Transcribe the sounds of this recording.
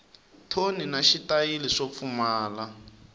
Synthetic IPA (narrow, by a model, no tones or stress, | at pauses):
tʰoninaʃitʼajiliʂop̪fumaːla